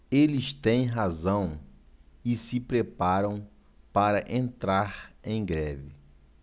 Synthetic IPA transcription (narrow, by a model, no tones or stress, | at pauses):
elɪst̪ẽj̃ɦazɐ̃w̃ | ɪsɪpɾepaɾɐ̃w̃ | paɾɐʔẽnt̪ɾaɾẽj̃ɡɾɛvɪ